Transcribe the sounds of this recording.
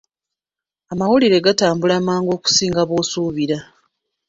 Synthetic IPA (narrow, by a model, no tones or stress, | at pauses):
amawuliɾe̞ɡataːmbulamaːŋɡo̞ːku̥siːŋɡaβo̞ːsuːβiɾa